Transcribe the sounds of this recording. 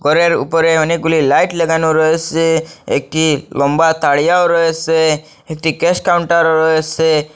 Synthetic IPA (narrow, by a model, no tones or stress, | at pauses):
ɡʱɔɾeɾṵpɾeɦənikulilaiʈleɡanuɾɔeseḛk̚ʈilɔmbat̪aɽijawɾɔese | ek̚ʈikeskawuɳʈaɾɾɔese